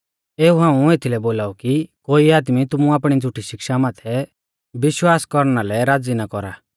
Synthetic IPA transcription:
eːuɦãːũet̪ʰilɛboːlaːukikoːiaːd̪mit̪ʊmũaːpɽ̃id͡zʱʊʈʰiʃɪkʃamaːt̪ʰɛ | bɪʃwaːskɔɾnalɛɾaːd͡zinakɔɾaː

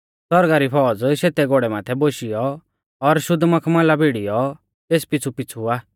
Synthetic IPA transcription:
sɔɾɡaːɾipʰɔːd͡zʃeːt̪ɛɡoːɽɛmaːt̪ʰɛboʃijɔ | ɔɾʃʊd̪mɐkʰmãlabʱeːɽijɔ | t̪eːspɪt͡sʰupɪt͡sʰuaː

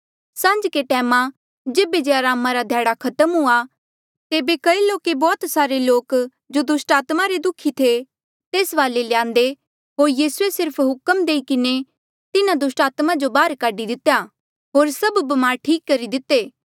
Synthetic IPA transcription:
sãːɲd͡ʒkeʈɛːma | d͡ʒeːbed͡ʒeaːɾaːmaɾad̪ʱjaːɽakʰɐt̪əmɦʊa | t̪eːbekɐiloːkebɔːt̪saːɾeloːk | d͡ʒod̪ʊsʈaːt̪maɾed̪ʊkʰːit̪ʰe | t̪eːsʋaːlelɪjãːnd̪e | ɦoːɾjiːsuesɪɾpʰɦʊkəmd̪eːikɪne | t̪ɪnãd̪ʊsʈaːt̪mad͡ʒobaːɾkaːɖid̪ɪt̪ːeja | ɦoːɾsɐbbɐmaːɾʈʰiːkːɐɾid̪ɪt̪ːeː

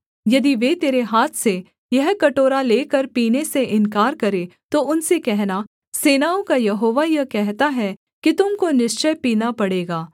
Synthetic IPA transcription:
jɐd̪iʋet̪eːɾeɦaːt̪ʰse | jɐɦkɐʈoːɾaleːkɐɾpiːneseʔɪnkaːɾkɐɾet̪oʊnsekɛɦna | seːnaːõkajɐɦoːʋajɐɦkɛɦt̪aɦɛ | kit̪ʊmkonɪʃt͡ʃəjpiːnapɐɽeːɡaː

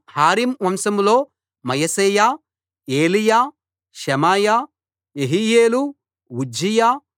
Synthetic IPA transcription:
haːɾimʋɐmsɐmlo̞ː | mɐjɐseːjaː | eːlijaː | ʃɐmaːjaː | jeɦijeːlu | wud͡ʒʱijaː

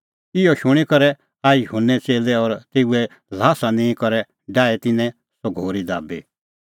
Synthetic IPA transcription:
ɪjɔʃʊɽ̃ikɔɾɛ | aːiɦunɛt͡seːlɛɔɾt̪eːuɛ | laːsanẽĩkɔɾɛ | ɖaːɛt̪ɪnɛ̃ | sɔɡʱoːɾid̪a̰ːbḭ

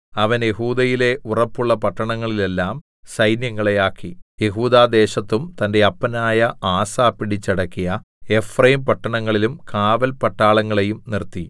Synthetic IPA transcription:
ɐʋɐnje̞ɦuːd̪ɐjile̞ʔurɐpːuɭːɐpɐʈːɐɳɐŋːɐɭile̞lːaːm | sɐjnjɐŋːɐɭe̞jaːkːije̞ɦuːd̪aːd̪e̞ːɕɐt̪ːumt̪ɐnde̞ɐpːɐnaːjɐaːsaːpːiɽit͡ɕːɐɽɐkːijɐ | e̞frɐjimpɐʈːɐɳɐŋːɐɭilumkaːʋɐlpɐʈːaːɭɐŋːɐɭe̞jumnirt̪ːi

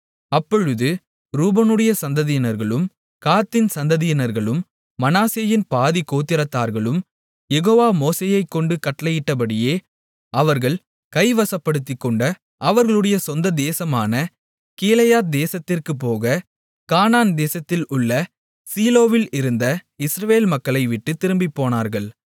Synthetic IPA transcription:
ɐpːɔɻɯðɯ | ɾuːbɐnɯɽɐjɐsɐnd̪ɐðɪjɪnɐɾɣɐɭɯm | kaːt̪ːɪnsɐnd̪ɐðɪjɪnɐɾɣɐɭɯmː | ɐnaːseːjɪnpaːðikːoːt̪ːɪɾɐt̪ːaːɾɣɐɭɯm | jɛɣoːʋaːmoːseːjɐɪkːɔɳɖɯkɐʈːlɐjɪʈːɐp̬ɐɽɪjeː | ɐʋɐɾɣɐɭ | kɐɪʋɐsɐpːɐɽɯt̪ːɪkːɔɳɖɐ | ʔɐʋɐɾɣɐɭɯɽɐjɐsɔnd̪ɐd̪eːsɐmaːnɐ | keːlɐjaːt̪̚d̪eːsɐt̪ːɪrkɯpːoːɣɐ | kaːnaːnd̪eːsɐt̪ːɪlʊɭːɐ | siːloːʋɪlɪɾɯnd̪ɐɪsɾɐʋeːlmɐkːɐɭɐɪʋɪʈːɯt̪ɪɾɯmbipːoːnaːɾɣɐɭ

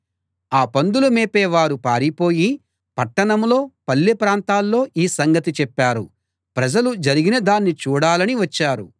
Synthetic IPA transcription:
aːpɐnd̪ulɐmeːpɛːʋaːɾupaːɾipo̞ːji | pɐʈːɐɳɐmlo̞ːpɐlːepɾaːnt̪aːlːo̞ːʔiːsɐŋɡɐt̪it͡ʃɛpːaːɾu | pɾɐd͡ʒɐlud͡ʒɐɾiɡinɐd̪aːnːit͡ʃuːɽaːlɐniʋɐt͡ʃːaːɾu

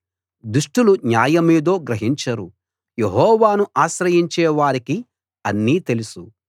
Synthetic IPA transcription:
d̪uʂʈulunjaːjɐmiːd̪o̞ːɡɾɐɦiɲt͡ʃɐɾu | jeɦɔːʋaːnuʔaːʃɾɐjiɲt͡ʃɛːʋaːɾiki | ɐnːiːt̪e̞lusu

